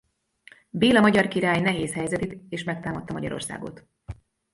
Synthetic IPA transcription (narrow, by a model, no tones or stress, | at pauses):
beːlɒmɒɟɒrkiɾaːjnɛɦeːshɛjzɛt̪eːt̪eːʃmɛkt̪aːmɒt̪ːɒmɒɟɒ̰ɾo̞̰rsa̰ːɡo̰t̪